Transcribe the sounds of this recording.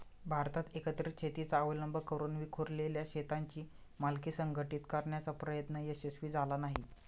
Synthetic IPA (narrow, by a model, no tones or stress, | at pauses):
bʱaɾt̪at̪ekət̪ɾit͡ɕʰet̪it͡saəʋləmbʱəkəɾuːnʋikʰoɾleljaɕet̪aɲt͡ɕiː | malkiːsəŋɡʱəʈiːt̪kaɾɳjat͡sapɾəjət̪nəjəɕəsʋiːd͡zalanaɦi